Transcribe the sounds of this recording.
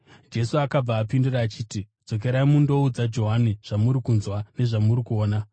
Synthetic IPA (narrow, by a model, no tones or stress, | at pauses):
d͡ʒe̞suakab͡vaːpinduraːt͡ʃiːti | d͡zo̞k̬e̞ɾaimundo̞ud͡zad͡ʒo̞ɦaniʐ̥amuɾikunzwane̞ʐamurikuo̞ːna